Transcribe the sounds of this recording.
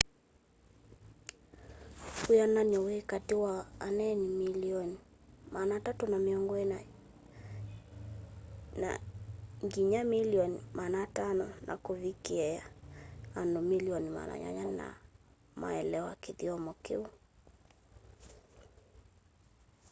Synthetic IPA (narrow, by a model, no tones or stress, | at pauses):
kujanaɲɔwekatiwaanɛnimiliɔnimanatatunamiɔŋɡɔɛnaj | na̰ŋɡiɲamiliɔnimanatanɔnʔa̰kovikiɛja | anomiliɔnima̰na̰ɲa̰ɲanna̰ | ma̰ɛlɛɔa̰kiðiɔmɔkeu